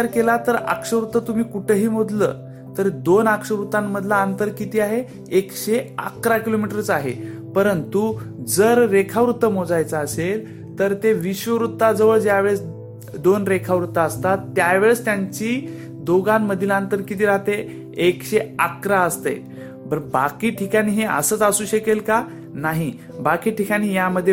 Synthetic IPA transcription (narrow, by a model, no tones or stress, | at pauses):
aɾkelat̪əɾə̰kʂəʋɾut̪ːət̪um̤iːkuʈʰəɦiːm̤od̪lə̰ː | t̪əɾd̪onakʂəʋɾut̪amːəd̪ʱlaənt̪əɾkit̪iːaɦeː | kɕea̰kɾakilomiʈəɾt͡saɦḛpəɾənt̪ud͡zəɾɾekʰaʋɾut̪ːəmod͡zajt͡saːsel | t̪əɾt̪eʋiɕʋəʋɾut̪ːad͡zəʋəɭd͡ʑjaʋeɭs | d̪onɾekʰaʋɾut̪ːaəst̪at̪ːjaʋeɭəst̪jaɲt͡ɕiː | d̪oɡamːəd̪ʱilaənt̪əɾkit̪iːɾaɦt̪e | ekɕeakɾaəst̪ḛ | bəɾbakiːʈʰikañiːɦeə̰səːt͡sasuːɕəkelka | naɦi | bakiːʈʰikaɽ̃iːjaməd̪ʱːje